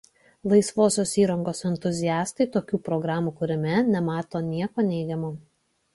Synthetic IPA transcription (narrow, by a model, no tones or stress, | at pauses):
lˠɐɪsʋoːsʲoːsiːɾɐŋɡoːsɛnʲt̪ʊzʲɪjɑːst̪ɐɪt̪oːkʲuːpɾɔɡɾɑːmuːkʊɾʲɪmʲɛnʲɛmɑːt̪oːnʲiɛkoːnʲɛɪɡʲɛmoː